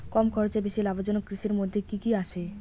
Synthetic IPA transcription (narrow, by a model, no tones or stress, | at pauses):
kɔmkʰɔɾot͡ɕebiʃilabod͡ʑonokːɾiʃiɾmod̪ʱːekikiaʃe